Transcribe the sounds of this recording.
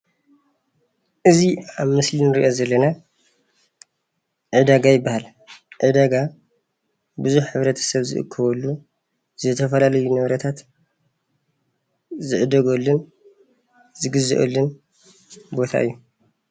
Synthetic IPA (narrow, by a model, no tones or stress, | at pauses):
ʔɨziaβmɨslinɨɾiʔo̞zɐlːɐna | ʕɨd̪aɡajɪbːahal | ʕɨd̪aɡa | bɨzuħħɨβɾɐt̪ʰɐ̥sɐβzɨ̰ʔɨ̰kʰːɨβɐlːu | z̥ɨt̪ʰɐfɐlalɐjunɐβɾɐt̪ʰat̪ | zɨʕɨd̪ɐɡɐlːɨn | zɨɡɨzɨ̰ʔɐ̰lːɨn | bo̞t̪ʰa̰ʔɨjːu